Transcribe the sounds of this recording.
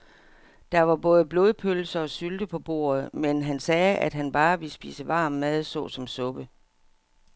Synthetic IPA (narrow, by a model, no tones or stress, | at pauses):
d̥ɑ̈ʋɑ̈b̥ɔ̽ːðˠəb̥lo̝ːð̞ˠpʰølsɐɒ̽syld̥əpʰɒ̽b̥o̝̰ːɐð̩ˠmenɦænsɛːæd̥ɦænb̥ɑ̈ːʋe̝lsb̥ḭːsəʋɑ̰̈ːmːæð̞ˠsɔ̰̽ːsɒ̽msɔ̽b̥ə